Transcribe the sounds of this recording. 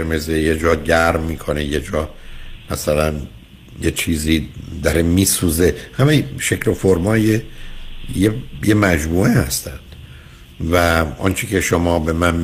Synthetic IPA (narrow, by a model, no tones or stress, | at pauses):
ɾmezejed͡ʒɒːɟæɾmːiːkʰo̞neje̞d͡ʒɒːmæsælæn | jet͡ʃʰiːziːd̪æɾemiːsuːze̞hæmejʃe̞cʰlofoɾmɒːje | jejemæd͡ʒmuːʔehæst̪ænd̪̥ | væʔɒ̰nt͡ʃʰicʰe̞ʃomɒːbe̞mæn